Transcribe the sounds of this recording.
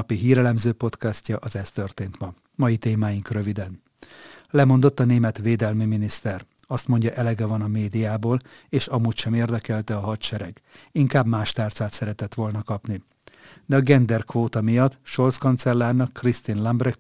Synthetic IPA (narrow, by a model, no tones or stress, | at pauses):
piɦiːɾɛlɛmzøːpo̞t̪kɛscɒʔɒzɛst̪ø̞rt̪eːnt̪mɒ | mɒjit̪eːmaːjiŋkrø̞vid̪ɛn | lɛmo̞nd̪o̞t̪ːɒneːmɛt̪ʋeːd̪ɛlmiminist̪ɛr | ɒst̪mo̞ɲɟɒʔɛlɛɡɛvɒnɒmeːd̪ijaːboːl | eːʃɒmuːcʃɛmeːrd̪ɛkɛlt̪ɛɒɦɒt̪ʃɛɾɛɡ | iŋkaːbmaːʃt̪aːrt̪saːt̪sɛɾɛt̪ɛt̪ʋo̞lnɒkɒpni | d̪ɛɒɡɛnd̪ɛrkʋoːt̪ɒmijɒt̪ːʃo̞rt̪skont̪sɛlːaːrnɒkːrist̪inlɒmbrɛk